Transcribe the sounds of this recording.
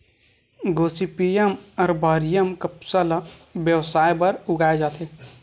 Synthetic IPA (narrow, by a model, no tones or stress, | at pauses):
ɡoːsipijemɐɾbaːɾijəmkəpsəlʋjəʋsaːjbɐɾʊɡaːed͡ʒaːt̪ʰeː